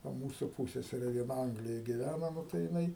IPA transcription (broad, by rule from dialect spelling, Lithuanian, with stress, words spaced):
ˈʋɐ ˈmuːsʊ ˈpuːsʲsʲɛsʲɛrʲɛ ʋʲiɛˈnɐ ˈɐŋɡlʲɪjoːj ɡʲɪˈʋʲænɐ ˈnʊ tɐɪ jɪˈnɐɪ